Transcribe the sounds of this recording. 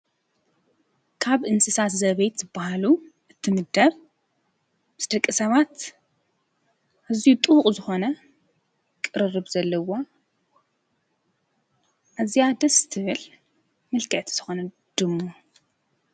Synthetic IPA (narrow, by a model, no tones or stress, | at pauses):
kʰaβʔɨnsɨsat̪zɐβejt̪zɨbːahalu | ʔɨt̪ʰːɨmɨd̪ɐβ | mɨsd̪̥ɐkʼːɨsɐβat̪ | ʔazijut̪ʼɨhχʼzɨxo̞nɐ | kʼɨɾɨrɨβzɐlːɐwa | ʔazijad̪ɐst̪ʰɨβɨl | mɨlkʰɐʔt̪ʰz̥ɨxo̞nɐ | d̪̥ɨmːo